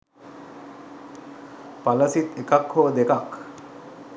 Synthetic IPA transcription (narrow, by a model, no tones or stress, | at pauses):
paləsit̪ekakhod̪ekak